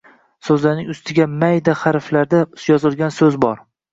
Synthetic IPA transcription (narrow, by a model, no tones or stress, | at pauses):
sɵzlaɾnɪŋʊst̪ʰɪɡʲamajd̪aχaɾflaɾd̪ajɒzɪlˠɡʲansɵzbɒɾ